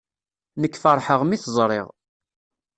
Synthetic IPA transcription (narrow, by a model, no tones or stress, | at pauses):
nəkːfəɾˤħəʁmiθəzˤɾˤɪ̰ʁ